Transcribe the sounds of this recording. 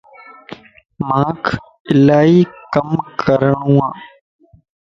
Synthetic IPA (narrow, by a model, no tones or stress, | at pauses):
mãːkʰ | ɪlaːiːkəmkəɾəɳũːãː